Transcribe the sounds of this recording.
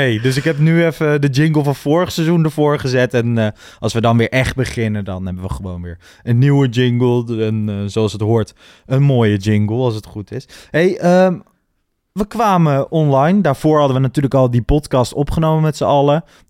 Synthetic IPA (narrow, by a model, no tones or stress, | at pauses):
ɦejdɵs̬ɪkɦɛp̬nyɛfədəd͡ʒɪŋɡəlˠfɑnv̥ʊːɹəχsezundəɹvʊːɹχəzɛtɛn | ɑlˠsʋədɑnʋɪːɹʔɛχd̚bəχɪnədɑnɦɛbəʋəχəʋownʋɪ̰ːɹ | ənːiwəd͡ʒɪŋɡəlˠɛnzowɑlˠsətɦʊːɹt | ənmoːjəd͡ʒɪŋɡəlˠɑlˠs̬ətχutɪsɦejə | ʋəkʋaːməʔɔnlɑjndaːɹv̥ʊːɹɦɑdəʋənatyːɹləkɑlˠdipɔtkɑstɔpχənowməmɛtsəɑlə